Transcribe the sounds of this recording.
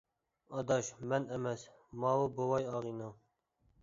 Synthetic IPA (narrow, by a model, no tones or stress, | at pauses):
ɑd̪ɑːʃmɛnɛmɛs | mɑːwobowɑjɑːɣiːnɑ